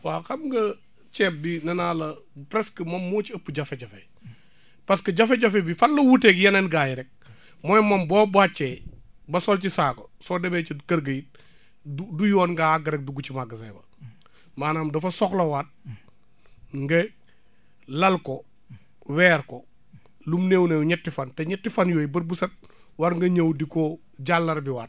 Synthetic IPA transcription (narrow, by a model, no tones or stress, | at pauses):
waxɐmŋɡɐ | t͡ʃɛːp̚binɐnaːlɐpɾɛskɐmɐmːoːt͡ʃiɐpːuɟɐfeɟɐfe | pɐskɐɟafeɟɐfebifɐlːɐwutekjɐnenɡajiɾɛk̚ | mojmɐmbɔbat͡ʃːe | bɐsɔlt͡ʃisaːkosɔːdɐmet͡ʃikɐɾɡɐjit̚ | udujɔːnŋɡaaɡɐɾɛk̚duɡut͡ʃimaɡɐsḛːbɐ̰ | maːnamdɐfɐsɔklɐwat̚ | ŋɡɐ | lɐlko | wɛːɾko | lumneːwnewɲɛtːifantɛɲɛtːifɐnjoːjibɐɾbusɐt̚ | waɾŋɡɐɲɐwdikoː | ɟalːɐɾbiwat̚